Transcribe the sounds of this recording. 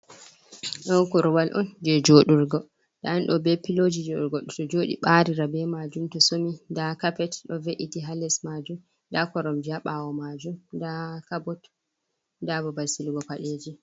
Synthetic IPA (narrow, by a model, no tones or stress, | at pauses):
ɗɔnkɔɾwalʔɔ̰nd͡ʒɛd͡ʒoɗuɾɡɔ | ɗa̰anɗɔbɛpːilod͡ʒid͡ʒɛɗṵɾɡɔɗɔtɔd͡ʒoɗḭɓaɾiɾabɛmad͡ʒumtɔsomidakapɛtɗɔveʔitiɦalɛsmad͡ʒum | dakɔɾɔmd͡ʒaɓawɔmad͡ʒumdakabɔt | dabɔbasilɡɔpaɗed͡ʒi